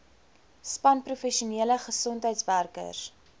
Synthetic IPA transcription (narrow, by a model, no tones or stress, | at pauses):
spɐnprufɛʃuniələχəsɔntɦəjtsværkə̰r